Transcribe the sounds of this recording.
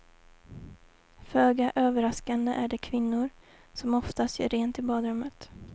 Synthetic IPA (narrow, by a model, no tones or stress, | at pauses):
føːɡaʔøːvəɾaskand̪əʔæɖɛkʰvɪnːʊɾ | sɔmɔft̪ast̪jœ̰ɾeːnt̪ɪbɑːd̪ɾɵmːət̪